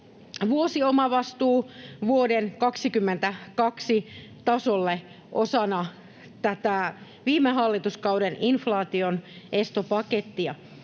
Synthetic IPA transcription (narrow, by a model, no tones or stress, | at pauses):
ʋuosiomɑʋɑst̪uːʋuodenkɑksikymːent̪ækɑksit̪ɑsolːe | ʔo̰sɑnɑ | t̪æt̪æ | ʋiːmeɦɑlːit̪uskɑudeninflɑːt̪ionʔest̪opɑket̪ːiɑ